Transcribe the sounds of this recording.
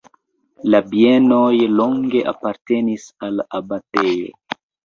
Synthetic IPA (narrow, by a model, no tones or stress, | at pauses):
labie̞no̞jlo̞ŋɡe̞ʔa̰paɾte̞nisalabate̞jo̰